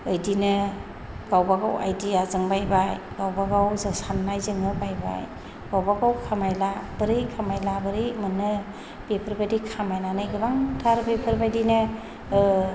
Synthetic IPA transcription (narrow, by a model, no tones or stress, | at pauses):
ɯjdinɯ | ɡ̥awbaɡa̰wʔa̰jdiazɯŋbajbaj | ɡ̥awbaɡawzasanːajzɯŋɯbajba̰j | ɡ̥awbaɡawkʰamajlab̥ɯɾɯjkʰamajlabɯɾɯjmɯnːɯ | b̥epʰəɾbadikʰamajnanɯjɡɯbaŋtʰaɾbepʰɯɾbajdinɯ